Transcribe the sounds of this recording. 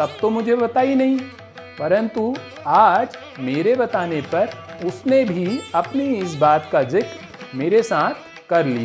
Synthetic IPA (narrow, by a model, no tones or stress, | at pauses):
t̪ɐb̚t̪omʊd͡ʒʱebɐt̪aːinɐɦĩ | pɐɾə̃nt̪u | aːd͡ʒ | meːɾebɐt̪aːnepɐɾʊsnebʱiɐpniɪs̬baːt̪kad͡ʒɪk | meːɾesaːt̪ʰ | kɐɾlḭa